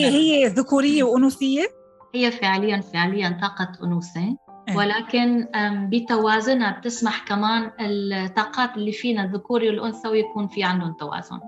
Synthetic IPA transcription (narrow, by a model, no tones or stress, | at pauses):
ʔhɪjːeðʊkuːɾɪjːewʔʊnuːsɪjːe | hɪjːefɪʕlɪjːanfeʕlɪjːant̪ˤɑːqɑt̪ʔʊ̰nuːse | wɪlaːkɪnbit̪awaːzʊnab̚t̪ɪsmaħkamaːnɪlt̪ˤːɑːqɑːt̪ɪlːifiːnaðʊkuːɾiwɪlʔʊnsawjakuːnfiʕand̪ʊnt̪ːawa̰ːz̥ʊ̰n